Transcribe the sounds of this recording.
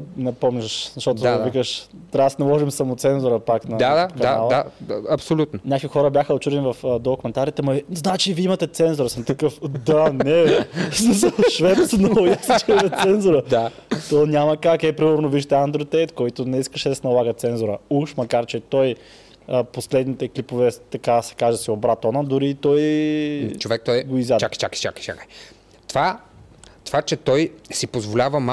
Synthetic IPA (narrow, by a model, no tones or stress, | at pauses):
nɛpɔmniʃzɐʃt̪ɔt̪oavikəʃt̪ɾasnɐlˠɔʒimsamʊt̪sɛnzʊɾəpaknɐaakɐnalˠaɐpsolʲut̪nonʲɲʲakoixɔɾəbjaxəot͡ʃud̪ɛnivɐfd̪ɔkomɛnt̪aɾit̪ɛmɐznat͡ʃiviimɐt̪ɛt̪sɛnzʊɾəsəmt̪ɐkɤfd̪anɛssɐʃvɛp̪snojast͡ʃɛɛtt̪sɛnzʊɾəa | t̪ɔnʲaməkakɛpɾiməɾnoviʃt̪ɛand̪ɾot̪ɛjt̪kɔjt̪ʊnɛiskəʃɛd̪ɐsɛnɐlˠaɡət̪sɛnzoɾəuʃmɐkaɾt͡ʃɛt̪ɔj | əposlɛd̪nit̪ɛklipovɛt̪ɐkasɛ̥kaʒɛd̪ɐsɛobɾat̪ɔnəd̪ʊɾit̪ɔj | t͡ʃovɛk̚t̪ɔjɡoizjad̪t͡ʃakjt͡ʃakət͡ʃa̰kə̥jt͡ʃa̰kəj | t̪va | t̪v̥at͡ʃɛt̪ɔjsipozvolʲavəma